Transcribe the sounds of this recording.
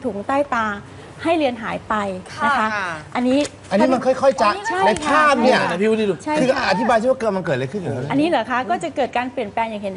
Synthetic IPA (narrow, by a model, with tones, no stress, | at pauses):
t̪ʰu˨˩˦ŋt̪aː˥˩jpaː˧ | ha˥˩jlɯ˧ənɦaː˩˦jpa˧jna˦˥kʰa˦˥ʔa˧nːiː˦˥ | a˧nːiː˦˥ma˧nkʰɔ˥˩jkʰɔ˥˩jt͡ɕa˨˩t͡ɕʰa˥˩na˧kʰaː˥˩m̚ni˥˩ɐ˨˩na˧pʰi˦˥˧t̪i˧u˧˩t͡ɕʰa˥˩kjɯ˧ʔa˧t̪ʰi˦˥ba˧j̪ʰi˥˩wa˥˩kɤː˧ma˧nkɤː˨˩lɤː˧jkʰɯ˥˩nju˨˩˧a˧nːiː˦˥lɛː˩˦kʰa˦˥kɔː˥˩t͡ɕa˨˩kɤː˨˩t̪̚kaː˧npli˨˩ənplɛː˧ŋjaː˨˩ŋɦe˩˦n˩